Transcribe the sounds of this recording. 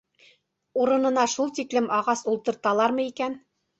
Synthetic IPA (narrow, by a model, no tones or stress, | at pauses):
uɾɤ̆nɤ̆nɑʃulˠt̪iklɘmɑʁɑsulˠt̪ɤ̆ɾt̪ɑlˠɑɾmɤikæn